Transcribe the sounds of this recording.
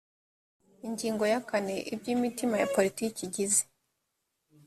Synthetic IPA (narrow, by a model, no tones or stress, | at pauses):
iɲɟiːŋɡo̞jakane̞ʔibjiːmitimaja̰po̞ɾitiːciɟize̥